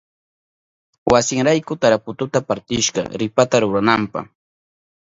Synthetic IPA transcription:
wasɪŋɾajkʊt̪aɾapʊt̪ʊt̪apaɾt̪ɪʃɢɑ̰ɾɪpat̪aɾʊɾanampa̰χ

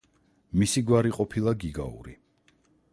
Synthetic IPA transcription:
misiɡwaɾiqʼɔpʰilˠaɡiɡa̰ṵɾi

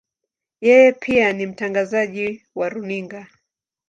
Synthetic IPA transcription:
jɛjɛpʰianim̩taŋɡazaʄi | waɾuniŋɡa

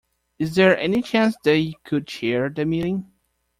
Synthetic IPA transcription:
ɨzðə˞ʔɛnit͡ʃʰæ̃nsðɨtjɨkʰɨd̚t͡ʃʰɛɹðɨmiɾɪ̃ŋ

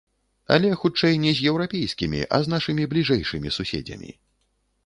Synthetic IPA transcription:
ɐ̰lʲɛxut͡ʂɛjnʲɛzʲjɛwɾapʲɛjskʲimʲḭʔɐ̰znaʂɨmʲiblʲiʐɛjʂɨmʲisusʲɛ̰d͡zʲɐ̰mʲḭ

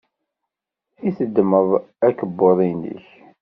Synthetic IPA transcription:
iθəd̪ːməðˤækəbːoðˤinə̰ç

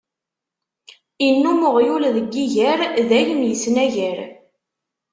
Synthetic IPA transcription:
inːuməʁjulðəɡːiʝæɾðælimjəsnæʝæɾ

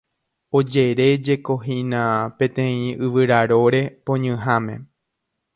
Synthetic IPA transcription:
o̞d͡ʒe̞ɾe̞d͡ʒe̞koɦinapẽ̞t̪ẽ̞ĩʔɨʋɨɾaɾo̞ɾe̞põɲɨ̃ɦamẽ̞̰

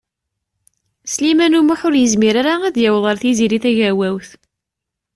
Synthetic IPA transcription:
slimænumuħʊɾjəzmiɾaɾaæðjæwðˤəɾθiziɾiθæʝæwæwθ

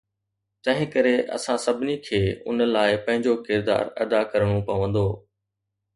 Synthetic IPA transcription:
t̪ɐ̃ɦɪ̃kɐɾeʔɐ̰sãsɐbʱɪnikʰeːʊ̰nəlaːɪpɐ̃ɦɪ̃ɲd͡ʑokɪɾd̪a̰ːɾɐ̰d̪akɐɾəɽ̃õpɐʋə̃nd̪oː

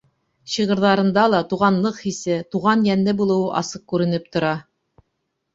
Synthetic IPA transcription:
ɕiʁɤ̆ɾðɑɾɤ̆nd̪ɑlˠɑt̪uʁɑnlˠɤqhisɘt̪uʁɑnjænlɘbulˠɤ̆wɤʔɑsɤq̚kʉɾɘ̆nɘp̚t̪ŏɾɑ

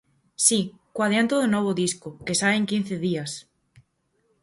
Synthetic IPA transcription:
sikwaðjant̪oðonoβ̞oðiskokesaeŋkin̟θeðias

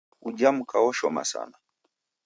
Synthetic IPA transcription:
ud͡ʒam̩kawɔʃɔma̰sa̰na

